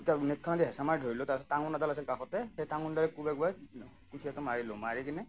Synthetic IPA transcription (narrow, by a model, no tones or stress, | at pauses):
tanet̚kʰɔnadiɦɛsamaɹidʱoɹilotapsɔtːaŋɔnadalasilkaxɔtɛxejtaŋundaɹɛkubɛɡuaj | kusijatɔmaɹilɔmaɹikinɛ